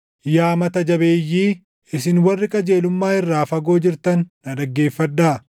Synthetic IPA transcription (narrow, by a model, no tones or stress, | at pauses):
jaːmɐt̪ɐd͡ʒɐbeːjːiː | ɪsɪnwɐrːɪkʼɐd͡ʒe̞ːlʊmːaːɪrːaːfɐɡo̞ːd͡ʒɪɾt̪ɐnːɐd̪ɐɡːe̞ːfːɐd̪ːaː